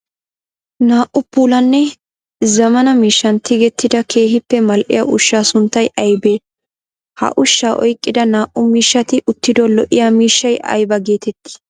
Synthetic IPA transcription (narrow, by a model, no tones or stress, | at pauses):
naːʔʊpuːlɐnːɛ | zɐmɐnɐmiːʃːɐnt̪ɪɡɛt̪ːɪd̪ɐkʰe̞ːɦɪpːɛmɐlʔɪ̰jaʔʊʃːaːsʊnt̪ːɐjɐjbeː | hɐ̰ʔʊʃːaːʔɔjkʼːɪd̪ɐnaːʔʊmiːʃːɐt̪ɪʔʊt̪ːɪd̪ɔlɔʔɪjaːmiːʃːɐjʔɐ̰jbɐɡe̞ːt̪ɛt̪ːɪ̥